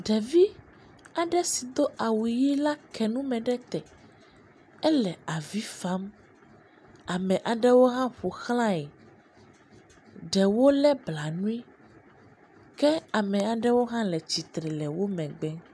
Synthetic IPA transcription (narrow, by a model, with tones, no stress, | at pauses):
ɖɛ˨vi˦ | a˨ɖɛ˦si˨d̪o˦ʔa˨wu˨ji˦la˦kɛ˨nũ˦mɛ̃˨ɖɛ˦t̪ɛ˨ | ɛ˦lɛ˨a˨vi˦fa˦m | a˨mɛ̃˨ʔa˨ɖɛ˦wo˦ɦã˦ɸo˨xl̃ã˦ɛ˨ | ɖɛ˨wo˦lɛ˦bla˨nũ˦i˦ | kɛ˦a˨mɛ̃˨a˨ɖɛ˦wo˦ɦã˦lɛ˨t͡ɕi˨t̪ɾɛ˨lɛ˨wo˦mɛ̃˨ɡ͡bɛ˦